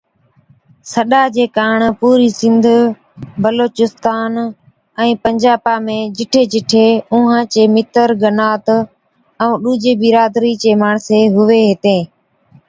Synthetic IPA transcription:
səɗaːd͡ʒeːkaːɳpuːɾiːsɪ̃nd̪ʱ | bəloːt͡ʃɪst̪aːn | ɛ̃ːpəɲd͡ʒaːpaːmẽːd͡ʒɪʈʰeːd͡ʒɪʈʰeːʊ̃ːɦãːt͡ʃeːmɪt̪əɾɡənaːt̪ | ɛũːɗuːd͡ʒeːbɪɾaːd̪ɾiːt͡ʃeːmaːɳseːɦʊʋeːɦet̪ẽː

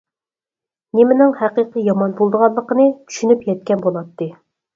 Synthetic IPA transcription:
nemɪnɪŋhæqiqəjɑmɑnbolˠd̪əʁɑlˠəqənɨt̪ʰy̥ʃynypjɛt̪̚kʲɛnbolˠɑt̪ːɨ

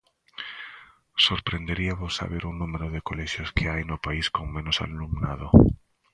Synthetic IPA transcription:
soɾpɾend̪eɾiaβosːa̰βeɾuŋnũmeɾʊðɪkolɛʃjoskʰeajnʊpaiskoŋmẽnʊsa̰lumnaðo

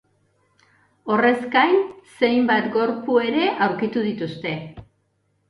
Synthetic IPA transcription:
o̞re̞zkajnse̞jmbat̪ɡo̞ɾpue̞ɾe̞ʔawɾkit̪uð̞it̪ust̪e̞

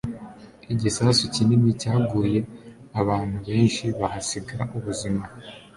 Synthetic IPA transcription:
iɟisaːsucinimicaːɡuːje̞ | aβaːn̥huβe̞ːnʃiβahasiɡaɾa̰ʔuβuzima

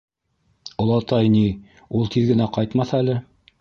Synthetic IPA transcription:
ŏlˠɑt̪ɑjni | ulˠt̪ʰiðɡɘ̆næqɑjt̪mɑθælɘ

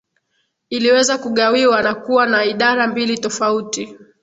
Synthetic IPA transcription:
iliwɛzakuɠawiwanakuwanaiɗaɾambilitɔfauti

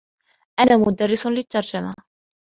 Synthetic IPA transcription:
ʔanaːmʊd̪ɑrːɪslɪt̪ːɑɾˤd͡ʒama

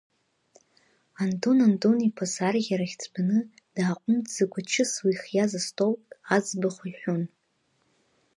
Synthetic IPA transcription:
antʼonantʼonipʰasarɣʲaɾaχʲt͡sʰʼbanɨ | d̥aːqʷʼʊmtʰʼz̥aɡʷat͡ʃʰɨswiχjazastʰʼowpʼad͡zbaχʷaiħʷᶣʊn

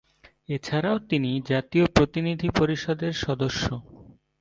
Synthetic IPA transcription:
et͡ɕʰaɾaot̪inid͡ʑat̪iopɾot̪inid̪ʱipoɾiʃɔd̪eɾʃɔd̪oʃːo

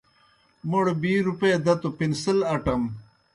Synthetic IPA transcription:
muɽbiːɾupejd̪ɐt̪upinsilɐʈɐm

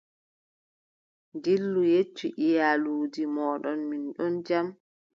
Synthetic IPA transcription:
ndilːujet͡ʃːiʔijaluːdimɔːɗɔnminɗɔnd͡ʒam

